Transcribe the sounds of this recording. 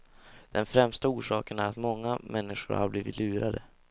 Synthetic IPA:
d̪̥ɛnfɾɛmst̪auːʂɑːkənæɾat̪mɔŋːamʔɛnːɪʂʊ̰ɾha̰bliːvɪt̪ʰlʉ̟ːɾad̪ə

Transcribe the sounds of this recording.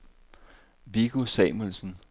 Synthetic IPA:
ʋiɡ̥usɛɪmonsn̩

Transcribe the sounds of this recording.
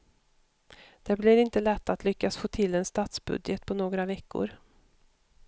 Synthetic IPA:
d̪̥ɛblɪɾɪnt̪əlɛt̪ːat̪lʏkːasfoːt̪ʰɪlɛnst̪ɑːt̪sbɵ̰d̪jət̪pʰɔnoːɡɾavɛkːʊ̰ɾ

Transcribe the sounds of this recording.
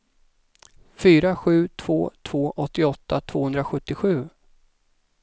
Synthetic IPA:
fyːɾaɧʉ̟ːt̪ʰv̥o̰ːt̪ʰv̥oːʔɔt̪ːɪɔt̪ʰːat̪ʰv̥oːhɵnd̪ɾaɧɵt̪ːɪɧʉ̟ː

